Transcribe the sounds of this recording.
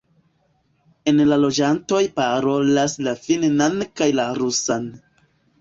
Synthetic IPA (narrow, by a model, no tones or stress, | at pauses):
e̞nlalo̞d͡ʒanto̞jpaɾo̞laslafinnankajlaɾusan